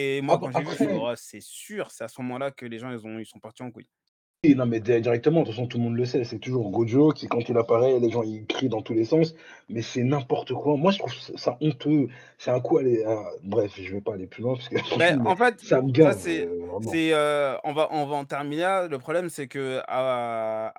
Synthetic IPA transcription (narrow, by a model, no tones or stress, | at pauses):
emwakɑ̃ʒaevχɛʁsɛsyʁsɛasəmɔmɑ̃lakəleʒɑ̃ilzɔ̃ilsɔ̃paʁt̪iɑ̃kwḭ | winɔ̃mɛd̪iʁɛd̪iʁɛk̚t̪əmɑ̃at̪ɑ̃sjɔ̃t̪ulmɔ̃d̪ləsɛsɛt̪uʒuʁɡod̪okʲikɑ̃t̪ilapaʁɛleʒɑ̃ikχid̪ɑ̃t̪ulesɑ̃s | mɛsɛnɛ̃pɔʁt̪əkwamwaʒət̪χuvssaʔɔ̃t̪ø | sɛɛ̃kualeãbʁɛfʒəvəpaːleplylwɛ̃pḁskəʒət̪χuvɛɑ̃fɛt̪saməɡazɛvʁɛmɑ̃sɛøɔ̰̃vaʔɑ̃vaɑ̃t̪ɛʁminlaləpχɔblɛmsɛkəa̰